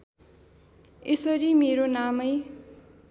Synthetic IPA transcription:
esʌɾimeɾonamʌj

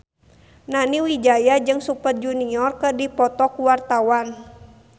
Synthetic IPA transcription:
naniwid͡ʒajad͡ʒɨŋsupət̪̚d͡ʒuniɔrkədipɔt̪ɔkuwart̪awan

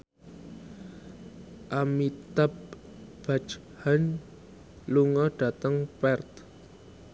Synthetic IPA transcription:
ʔamit̪ap̚ | b̥at͡ʃ | han | luŋɔɖ̥ä̤t̪əŋpɛrt̪

